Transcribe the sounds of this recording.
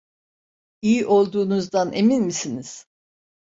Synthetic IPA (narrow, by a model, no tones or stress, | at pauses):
ijiʔo̞lˠd̪uːnuzd̪anʔeminmisiniz̥